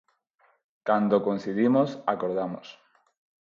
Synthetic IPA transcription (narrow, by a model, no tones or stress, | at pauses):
kand̪okonθiðimosa̰koɾð̞amos